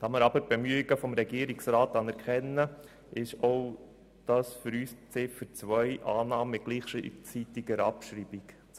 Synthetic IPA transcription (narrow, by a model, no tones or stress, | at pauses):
d̥ɑməɾɑbəɾb̥emyiɡəfɔmɾɛɡiəɾiksɾɑːt̪ɑnɛɾkχɛnːə | ʔɪʃɔʊ | d̪̥ɑːsfʏɾyːst͡sɪfəɾt͡sʋœʏʔɑːnɑːməɪt̚ɡ̥liːχʃit͡sit̪iɡəɾɑpʃɾiːbik